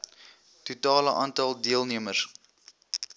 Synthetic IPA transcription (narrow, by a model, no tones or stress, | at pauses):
tutɑːləʔɑːntɐlˠdiəlˠniəməs